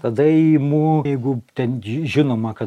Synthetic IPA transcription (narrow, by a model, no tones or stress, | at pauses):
t̪ɐd̪ɐimuːjɛɪɡʊt̪ʲɛnʒʲɪnoːmɐkɐ